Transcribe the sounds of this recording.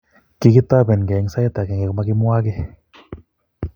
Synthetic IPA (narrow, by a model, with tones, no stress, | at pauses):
ki˧ki˦t̪a˦bɛ˨nkɛ˨˦ŋsa˧jt̪a˨kɛ˨˧˨ŋɛ˧kɔ˧ma˧ki˧mu˦a˦˧ke˧